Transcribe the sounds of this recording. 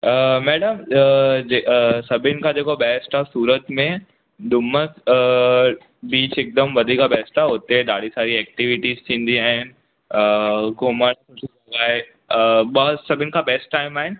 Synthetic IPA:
əmɛːɽəmd͡ʑesɐbʱɪnɪ̆kʰãd͡ʑeːkobɛːsʈasuːɾət̪mẽ | d̪ʊməs | biːt͡ɕɪk̚d̪əmʋɐd̪ʱiːkabɛːsʈaʊt̪eɗaːɽ̤isaːɾiɛːk̚ʈiʋɪʈiːzt̪ʰĩːn̆d̪iaːɦɪnɪ̆ | əɡoːmənkʊʈ | aːɦe | ɓɐsɐbʱɪnɪ̆kʰabɛːsʈːaːɪmaːɦɪnɪ̆

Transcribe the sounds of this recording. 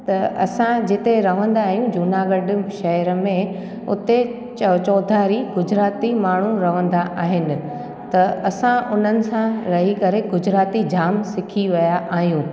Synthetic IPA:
t̪ɐɐsãd͡ʑɪt̪eɾɐʋ̤ə̃nd̪aːɦijũd͡ʑʊnaɡɐɖɪʃɐɦəɾəmẽ | ʊ̰t̪e | t͡ɕɐt͡ɕɔːd̪ʱaɾiɡʊd͡ʑɾaːt̪imaːɳ̤ũɾɐʋə̃nd̪aʔaːɦɪnɪ̆ | t̪ɐɐsãʔʊn̤ənɪ̆sãɾɐɦikɐɾeɡʊd͡ʑɾaːt̪id͡ʑaːmsɪkʰiʋɐjaʔaːɦijũ

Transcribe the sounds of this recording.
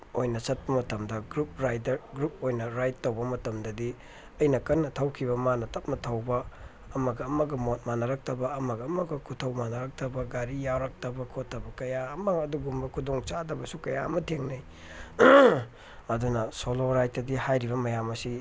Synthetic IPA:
ojnɐsɐt̚pɐmɐtɐmdɐɡɾup̚ɾajdɐɾɡɾup̚ojnɐɾajtːowbɐmɐtɐmdɐdi | ɐjnɐkɐnːɐtʰɐwkʰiβɐmanɐtɐp̚mɐtʰɐwbɐː | mɐɡɐːmɐɡɐmot̚manɐɾɐk̚tʰɐbɐɐmɐɡɐːmɐɡɐkʰutʰɐwmanɐɾɐk̚tʰɐbɐɡaɾijawɾɐk̚tʰɐbɐkʰotʰːɐbɐkɐjaɐmɐɡɐduɡumbɐkʰudoŋt͡ʃadɐbɐsukɐja̰ɐ̰mɐtʰeŋnɐj | ɐdunɐsoloɾajtːɐdihajɾiβɐmɐjamɐsi

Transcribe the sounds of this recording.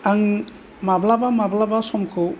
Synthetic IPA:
aŋ | mablabamablabasɔmkʰo

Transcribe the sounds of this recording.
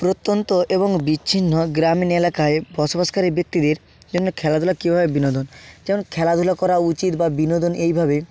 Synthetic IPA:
pɾot̪ːont̪oʔeboŋbiːɕʰinːoɡɾaminelakaebɔʃobaʃkaɾibek̚t̪id̪eɾ | d͡ʑonːokʰɛlad̪ʱulakibʱabebinod̪ond͡ʑɛmonkʰɛlad̪ʱulakɔɾaut͡ɕit̪babinod̪onʔejbʱabe

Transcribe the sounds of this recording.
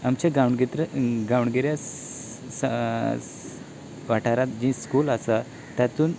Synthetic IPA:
amt͡ɕaɡawɳɡit̪ɾəɡawɳɡiɾja | s | ʋaʈʰaɾat̪̚d͡ʑĩskuːlasa | t̪jat̪uːn

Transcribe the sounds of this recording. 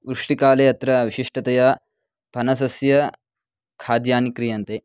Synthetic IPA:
ʋɾuʂʈikaːleːɐt̪ɾɐʋiɕiʂʈɐt̪ɐja | pɐnɐsɐsjɐ | kʰaːd̪jaːnikɾijɐnt̪eː

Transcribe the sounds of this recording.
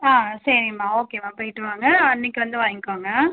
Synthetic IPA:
aːsɐɾɪŋmaːoːkeːmaːpoːjɪʈːɯʋaːŋɡɐɐnːɪkːɯʋɐnd̪ɯʋaːŋkːaːŋɡɐ

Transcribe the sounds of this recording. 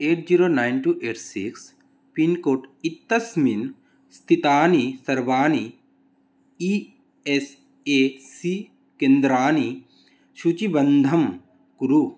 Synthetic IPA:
eːʈ̚d͡ʒiːɾoːnaːjnʈuʔeːʈsḭks | pinkoːʈit̪ːɐsmin | st̪ʰit̪aːnisɐɾʋaːni | i | es | esi | kend̪ɾaːni | ʃut͡ʃibɐnd̪ʱɐm | kuɾu

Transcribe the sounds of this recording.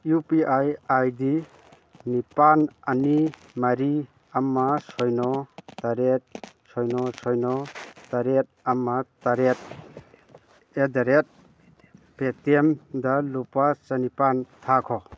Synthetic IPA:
jupiʔajajdi | nipanani | maɾi | amːasɔjnɔtaɾet̚ | sɔjnɔsɔjnɔtaɾet̚ | amːataɾet̚ | edaɾet̚ | petemdalupasanipantʰakʰɔ

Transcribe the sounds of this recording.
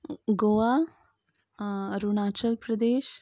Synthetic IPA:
ɡoʋa | ɾunaːt͡ʃəlpɾəd̪eːʃ

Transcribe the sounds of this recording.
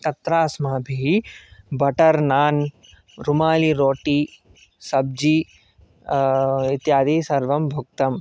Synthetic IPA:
t̪ɐt̪ɾaːsmaːbʱi | bʱɐʈɐɾnaːn | ɾumaːliɾoːʈi | sɐb̚d͡ʒi | it̪jaːd̪iːsɐɾʋɐmbʱuk̚t̪ɐm

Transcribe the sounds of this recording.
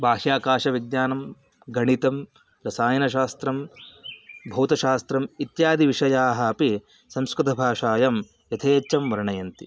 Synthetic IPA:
bʱaːɦjaːkaːʃɐʋid̪jaːnɐm | ɡɐɳit̪ɐm | ɾɐsaːjɐnɐʃ̬aːst̪ɾɐm | bʱɐwt̪ɐʃaːst̪ɾɐmit̪jaːd̪ʱiʋiʂɐjaːɦɐɐpi | sɐmskɾɨt̪ʰɐbʱaːʂaːjɐm | jɐt̪ʰeːt͡ʃːɐmːɐɾɐɳɐjɐnt̪i

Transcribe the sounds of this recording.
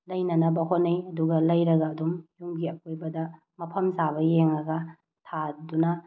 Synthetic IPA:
lɐjnɐnɐbɐɦonːɐjɐduɡɐlɐjɾɐɡɐːdumjuŋɡiɐkojbɐdɐ | mɐpʰɐmzaβɐjeŋɐɡɐ | tʰadunɐ

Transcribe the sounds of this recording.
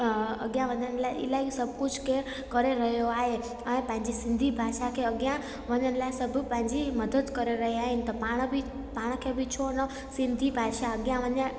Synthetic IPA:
ɐɠjãʋɐɲənɪ̆laːɪɪ̰laːɪsɐbʱkʊd͡ʑʱkeːɾ | kɐɾeɾɐɦijoaːɦe | ɛ̃ːpɐ̃ɦɪ̃ɲd͡ʑisɪ̃nd̪ʱibʱaːʃakʰeːɐɠjã | ʋɐɲəñɪ̆laːɪsɐbʱʊ̆pɐ̃ɦɪ̃ɲd͡ʑimɐd̪əd̪kɐɾeɾɐɦiaːɦɪnɪ̆t̪ɐpaːɽ̃bɪ | paːɽ̃kʰeːbʱɪt͡ɕʰonɐ | sɪ̃nd̪ʱibʱaːʃaɐɠjãʋɐɲə̃

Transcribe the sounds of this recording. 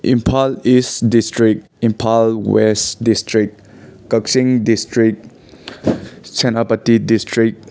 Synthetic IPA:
ʔĩmpʰalisdistɹik̚ | ĩmpʰalwɛsdistɹik̚ | kəksĩŋdistɹik̚ | t͡ʃɛ̃napatidistɹik̚

